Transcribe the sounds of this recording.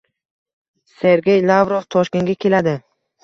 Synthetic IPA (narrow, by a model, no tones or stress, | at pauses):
se̞ɾɡʲe̞jlˠavɾovt̪ʰɒʃkʲe̞nɡʲakʲʰe̞lad̪ɪ